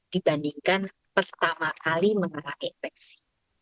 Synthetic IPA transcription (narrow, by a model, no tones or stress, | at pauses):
d̥ibandiŋkan | pərt̪amakaliməŋənaʔinfɛk̚si̥